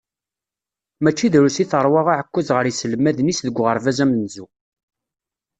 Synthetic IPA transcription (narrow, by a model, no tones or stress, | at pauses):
mæt͡ʃːiðɾusiθəɾˤwɑʁaʕəkʷːæzʁəɾjisələmːæðnisðəɡʷːʁəɾˤvæzæmnzu